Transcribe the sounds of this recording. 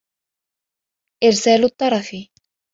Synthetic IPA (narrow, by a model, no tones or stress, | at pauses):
ʔɪɾsæːlʊt̪ːɑɾˤɑθi